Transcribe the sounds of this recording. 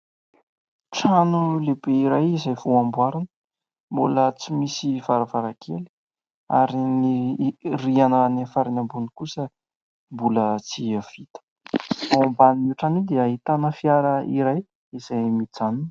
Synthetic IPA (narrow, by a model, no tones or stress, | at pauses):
ʈ͡ʂanulebeiɾajizajvoambwaɾanə̥ | mbulət͡simisiv̥aɾavaɾakʰeli̥ | a̰ɾinirianənefaɾinambunikusə | mbulət͡siav̥it̪ə̥ | mbaniuʈ͡ʂanid̪eaɦit̪anəfiaɾəḭɾaj | izajmit͡sanun